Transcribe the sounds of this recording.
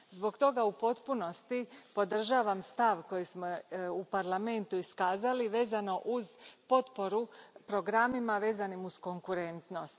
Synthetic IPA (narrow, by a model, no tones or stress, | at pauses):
zbo̞ɡt̪o̞ɡaupo̞t̪puno̞st̪ipo̞d̪r̩ʒaːʋamst̪aʋko̞jismoupaɾlˠame̞nt̪uiskaːzaliʋe̞ːzano̞ʔuzpo̞t̪po̞ɾupɾo̞ɡɾamimaʋe̞ːzanimusko̞ŋkuɾe̞nt̪no̞st̪